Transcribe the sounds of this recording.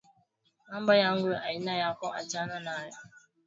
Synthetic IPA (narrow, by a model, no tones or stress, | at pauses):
am̩bajaŋ̩ɡʷeajinajakɔa̰t͡ʃananaja